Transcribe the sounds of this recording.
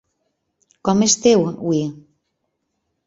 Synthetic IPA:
kɔmest̪ewwi

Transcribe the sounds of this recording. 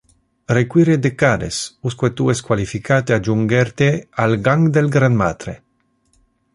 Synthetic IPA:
rekwiɾed̪ekad̪esuskwet̪ueskwalifikat̪ead͡ʒuŋɡeɾt̪ealɡaŋɡd̪elɡɾanmat̪ɾe

